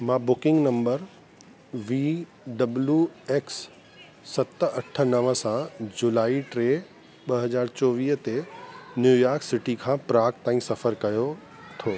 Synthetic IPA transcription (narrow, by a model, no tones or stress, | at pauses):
mãːbʊkɪ̃ŋɡnɐ̃mbəɾ | ʋiː | ɖɐbljueːksː | ɐt̪ɐʈʰə̆nɐʋə̆sãd͡ʑulaːiʈɾeːɦ | ɓɐɦɐd͡ʑaːɾt͡ɕɔːʋiːɦt̪enjuːjaːɾksɪʈikʰãːpɾaːkt̪aːĩsɐfəɾkɐjo | t̪ʰoː